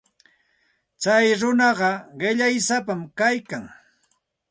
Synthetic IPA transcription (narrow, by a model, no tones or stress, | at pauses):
t͡sajɾʊnɑɢɑɢɪʎajsapamkajkaŋ